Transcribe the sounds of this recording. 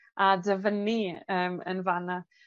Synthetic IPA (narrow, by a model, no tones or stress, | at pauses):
adəvəniəːmə̰nvana